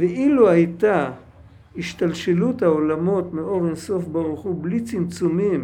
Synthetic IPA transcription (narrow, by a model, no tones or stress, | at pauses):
veʔiluhajt̪a | hiʃt̪alʃeluthaolamo̞t̪meo̞ʁenso̞fbaʁuχublit͡simt͡sumim